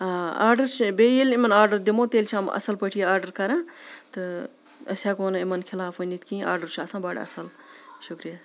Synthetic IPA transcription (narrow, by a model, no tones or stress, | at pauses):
ɦaa̰ːɾɖɐɾt͡ʃʰibeːjilimɐnaːɾɖəɾd̪imoːt̪eːlt͡ʃʰɐmɐ̰sɐlpəʈʰijeaːɾɖəɾkɐɾãːt̪ɨ | ɐsʲjaːkoːnimɐnkʰɪlaːfɐnʲit̪kĩːʔa̰ːɾɖəɾt͡ʃʰuasãːbaːɖɐ̰sɐl | ʃukɾijaː